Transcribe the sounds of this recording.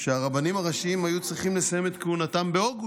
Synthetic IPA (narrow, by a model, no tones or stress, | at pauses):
ʃeaʁabanimaʁaʃiimajut͡sʁiχimle̞saje̞me̞t̪keunatambe̞o̞ɡu